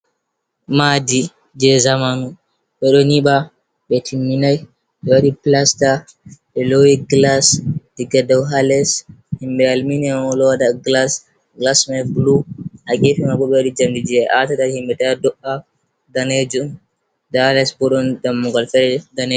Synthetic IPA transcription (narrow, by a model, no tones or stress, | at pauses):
madi | d͡ʒɛzamanu | ɓɛɗɔniɓa | ɓɛtʰimːinaj | ɓɛwaɗiplasta | ɓɛlowiɡlasd̥iɡadawɦalɛshimbɛalminɛaɔlɔwadaɡlas | ɡlasmɛbluʔakefimaɡɔɓɛwaɗid͡ʒamdid͡ʒiɛʔatadaɾhimbɛtɛadɔʔa | daned͡ʒun | daalɛsbɔɗɔndamːuɡalfɛɾɛdane